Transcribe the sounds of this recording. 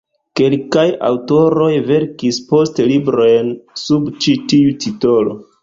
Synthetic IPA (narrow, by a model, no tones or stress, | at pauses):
ke̞lkaja̰wto̞ɾo̞jve̞ɾkispo̞stelibɾo̞jnsubt͡ʃitiutʰito̞lo̞̰